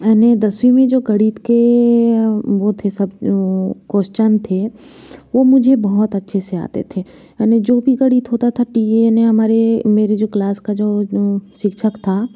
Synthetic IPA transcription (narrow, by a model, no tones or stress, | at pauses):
ɛːned̪ɐsʋimẽd͡ʒoːɡɐɽiːt̪ke | ʋot̪ʰesɐb | koːʃt͡ʃənt̪ʰe | ʋomʊd͡ʒʱebɐɦɔt̪ɐtːʃʰesea̰ːt̪ḛt̪ʰe | ɛːned͡ʒoːbʱiɡɐɽiːt̪ɦoːt̪at̪ʰaʈiːineɦɐmaːɾemeːɾed͡ʒoːklaːskad͡ʒoːʃɪkʃʰəkt̪ʰaː